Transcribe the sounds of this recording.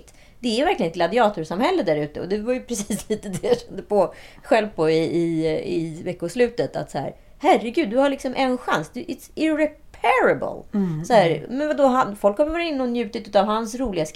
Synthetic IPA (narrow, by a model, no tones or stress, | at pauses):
t̪ | d̪̥ɛæjvæɾklɪɡənɛt̪ɡlad̪ɪɑːt̪ʊʂamhɛlːəd̪æɾʉ̟ːt̪əɔ̰d̪ɛvajɵpʰɾɛsiiːsliːt̪d̪ɛjaɕɛnd̪əpʰɔɧɛlvpɔɪɪɪvɛkːʊslʉ̟ːt̪ət̪ʰa̰t̪sɔhæ̰ːɾ | hærːəɡʉ̟ːd̪d̪ɵhaɭɪksɔmʔɛnɧa̰nsd̪ɵʔɪt̪sɪɾɛpʰɛɾabə̰lsɔhæːɾmɛnvad̪oɦanfɔlkhavjvɑɾɪnːɔnjʉ̟ːt̪ɪt̪ʉːt̪avhansɾuːlɪɡask